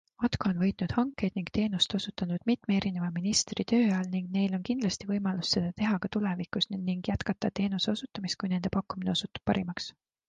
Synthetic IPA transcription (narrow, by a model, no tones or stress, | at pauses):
ot̪koonvɤ̞jt̪ˑnud̪̥hɑŋkːˑe̞jd̪̥niŋɡ̥t̪e̞ːnust̪o̞sut̪ːˑɑnud̪̥mit̪mee̞ɾine̞vɑminist̪rit̪ø̞ːjɑlniŋɡne̞jlo̞nkind̪lɑst̪ivɤjmɑlusse̞d̪̥ɑt̪e̞ɦɑkɑt̪ule̞vikˑusniŋɡ̥jæt̪kɑt̪ːˑɑt̪e̞ːnuse̞o̞sut̪ːˑɑmist̪̚kujne̞nd̪e̞pɑkːumine̞osut̪ːu̥p̚pːɑ̰ɾimɑks